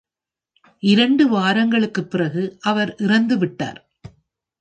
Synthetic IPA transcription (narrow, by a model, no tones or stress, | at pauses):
ʔɪɾɐɳɖɯʋaːɾɐŋɡɐɭɯkːɯpːɪrɐɣɯʔɐʋɐɾʔɪrɐnd̪ɯʋɪʈːa̰ːɾ